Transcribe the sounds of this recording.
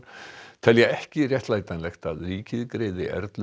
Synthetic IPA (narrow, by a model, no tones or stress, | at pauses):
t̪ʰɛljɛɣɛhcɪrjɛht̪laːjt̪anlɛxt̪aðriːcɪðkɾeːjðɪ̰ʔɛ̰ɾt̪l